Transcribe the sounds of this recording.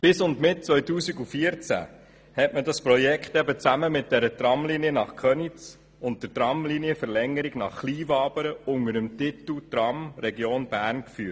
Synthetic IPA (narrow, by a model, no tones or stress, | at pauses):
b̥ɪsʊndmɪt̚t͡sʋœjtuːsiɡufiəɾt͡sæ̰ | hɛtmədɑspɾɔjɛkχtɛbət͡sæməmɪt̚d̥ɛɾət̪ɾɑmliniənɑχkʰχœnit͡s | ʊnt̚d̥əɾtɾɑmliniəfəɾlɛŋəɾiɡnɑ̰χːliːvɑːbəɾəʊŋəɾəmtɪt̪l̩t̪ɾɑmɾɛɡjoːnb̥æːɾnkfyː